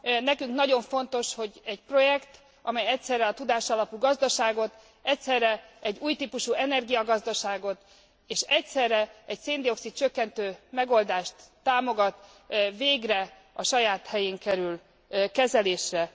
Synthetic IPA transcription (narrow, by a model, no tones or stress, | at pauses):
nɛkyŋknɒɟo̞ɱfo̞n̪t̪o̞ʃho̞ɟɛc̚pro̞jɛkt̪ | ʔɒmɛjɛcsɛrːɛɒt̪ud̪aːʃɒlɒpuɡɒzd̪ɒʃaːɡo̞t̪ | ɛcsɛrːɛɛɟːuːjt̪iːpuʃuɛnɛrɡijɒɡɒzd̪ɒʃaːɡo̞t̪ | eːʃɛcsɛrːɛɛcseːnd̪io̞ksit̪̚t͡ʃøkːɛnt̪øːmɛɡo̞ld̪aːʃt̪ːaːmo̞ɡɒt̪ | veːɡrɛ | ɒʃɒjaːt̪hɛjeːŋkɛɾyl | kɛzɛleːʃrɛ